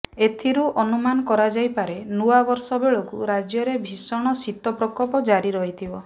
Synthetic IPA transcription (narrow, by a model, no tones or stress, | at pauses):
et̪ʰiɾuɔnumanɔkɔɾad͡ʒajpaɾenuwabɔɾsɔbeɭokuɾad͡ʒjɔɾebʱisɔɽ̃ɔsit̪ɔpɾɔkɔpɔd͡ʒaɾiɾɔɦit̪ʰibɔ